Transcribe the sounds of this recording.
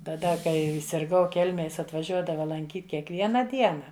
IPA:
tɐˈdɐ ˈkɐɪ sʲɪrˈɡɐʊ ˈkʲɛlʲmʲeːj ˈjɪs ɐtʋɐˈʒʲuɔdɐʋɐ lˠɐŋʲˈkʲiːt kʲiɛkˈʋʲiɛnɐ ˈdʲiɛnɐ

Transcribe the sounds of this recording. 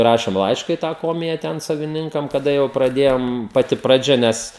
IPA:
ˈrɑːʃʲeːm ˈlˠɐɪʃkɐ iː tɑː ˈkoːmʲɪjɛ ˈtʲɛn sɐʋʲɪˈnʲɪŋkɐm kɐˈdɐ jɛʊ prɐˈdʲeːjoːm pɐˈtʲɪ prɐˈd͡ʒʲɛ ˈnʲɛs

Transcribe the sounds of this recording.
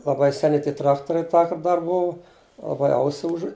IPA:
lˠɐˈbɐɪ sʲɛˈnʲɪ ˈtʲiɛ ˈtrɑːktoːrʲɛɪ ˈtɑːkɐrt ˈdɐr ˈbʊʋʊ lˠɐˈbɐɪ ˈɐʊsʲɪ ˈʊʒʊ

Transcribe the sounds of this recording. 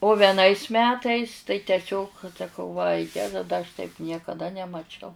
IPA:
oː ʋʲɛˈnɐɪs ˈmʲæːtɐɪs tɐɪ tʲɛˈsʲoːk sɐˈkɐʊ ʋɐ ˈjæːzɐ dɐ ɐʃ tɐɪp nʲiɛkɐˈdɐ nʲɛmɐˈt͡ʃʲɛʊ

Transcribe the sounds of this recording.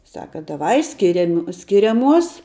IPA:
ˈsɑːkɐ dɐˈʋɐɪ ˈsʲkʲɪrʲɛmʲɪ sʲkʲɪrʲɛˈmuɔs

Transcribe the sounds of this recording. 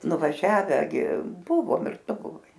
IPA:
nʊʋɐˈʒʲæːʋʲɛ ɡʲɪ ˈbʊʋoːm ɪr ˈtʊ bʊˈʋɐɪ

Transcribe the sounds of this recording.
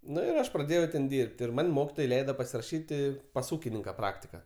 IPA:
ˈnʊ ɪr ˈɐʃ prɐˈdʲeːjɛʊ tʲɛn ˈdʲiːrʲpʲtʲ ɪr ˈmɐnʲ ˈmoːkʲɪtoːj ˈlʲɛɪdɐ pɐsʲɪrɐˈʃʲiːtʲɪ pɐs ˈuːkʲɪnʲɪŋkɐ ˈprɑːktʲɪkɐ

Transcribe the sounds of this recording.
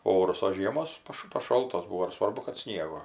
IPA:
ˈoːrʊs oː ˈʒʲiɛmoːs ˈpɐʃ pɐˈʃoːlˠtoːs ˈbʊʋoː ɪr ˈsʋɐrbʊ kɐt ˈsʲnʲiɛɡoː

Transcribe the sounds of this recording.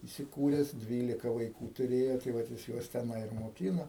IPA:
iːsʲɪˈkuːrʲɛs ˈdʲʋʲiːlʲɪkɐ ʋɐɪˈkuː tʊˈrʲeːjoː tɐɪ ˈʋɐt jɪs ˈjuɔs tʲɛˈnɐɪ ɪr moːˈkʲiːnoː

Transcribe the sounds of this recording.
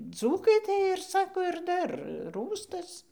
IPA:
ˈd͡zuːkɐɪ tɐɪ ɪr ˈsɑːkoː ɪr ˈdɐr ˈruːstɐs

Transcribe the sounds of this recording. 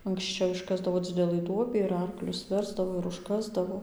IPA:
ɐŋksʲˈt͡ʃʲɛʊ ɪʃˈkɑːzdɐʋoː ˈd͡zʲɪdʲɛlˠɨ ˈduɔbʲiː ɪr ˈɐrklʲʊs ˈʋʲɛrzdɐʋoː ɪr ʊʃˈkɑːzdɐʋoː

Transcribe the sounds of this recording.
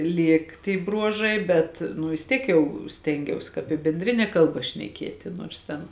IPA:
ˈlʲeːk tʲiɛ ˈbruɔʒɐɪ bʲɛt ˈnʊ ʋʲɪs ˈtʲiɛk ˈjɛʊ ˈsʲtʲɛŋʲɡʲɛʊs kɑːp ɪ bʲɛnʲˈdʲrʲɪnʲɛ ˈkɐlˠbɐ ʃʲnʲɛˈkʲiɛtʲɪ nuɔrs ˈtʲɛn

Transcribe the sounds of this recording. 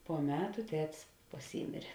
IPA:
poː ˈmʲæːtʊ ˈtʲæːtʲɪs pɐˈsʲiːmʲeːrʲeː

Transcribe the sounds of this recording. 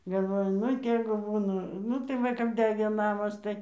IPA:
ɡɐlˠˈʋoːjʊ ˈnʊ ˈtʲeːɡʊ ˈbuːnɐ ˈnʊ tɐɪ ˈʋɐ kɐp ˈdʲæːɡʲeː ˈnɑːmɐs ˈtɐɪ

